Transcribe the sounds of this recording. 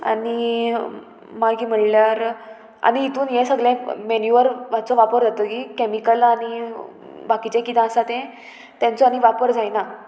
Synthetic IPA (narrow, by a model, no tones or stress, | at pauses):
a̰ni | makiːm̤əɽljaɾ | a̰niːt̪uːnjɛ̃səɡlɛ̃menjuʋəɾʋat͡sɔʋapəɾd͡zat̪əkikemikəlani | bakit͡ɕɛ̃kit̪ãəsat̪ɛ̃ | t̪jãnt͡sɔañiʋapəɾd͡zajna